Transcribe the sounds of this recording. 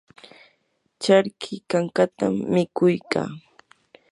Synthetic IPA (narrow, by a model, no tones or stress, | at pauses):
t͡ʃaɾkʰɪkaŋkat̪amːɪkʊjka̰ː